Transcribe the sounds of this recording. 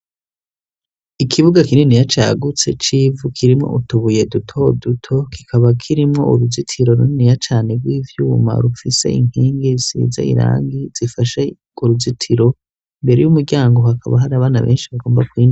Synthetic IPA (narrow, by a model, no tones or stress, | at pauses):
ikʰiβuɡakininijat͡ʃa̰ːɡut͡se̞t͡ʃivukʰiɾimŋo̞̰ʔutuβuje̞dutʰo̞dutʰo̞ki̥kʰaβakʰiɾimŋo̞̰ṵɾuzitʰiɾo̞ɾuninijat͡ʃaːneɡɡwiːvjuːma̰ɾufise̞̰iŋ̥hiːŋɡisḭza̰ḭɾa̰ːŋɡiz̥ifaʃe | uɾuzitʰiɾo̞ | imbe̞ɾe̞jumuɾɟaːŋɡoɦakʰaβa̰ɦaɾaβaːnaβeːnʃiβaɡo̞ːmbakwiːn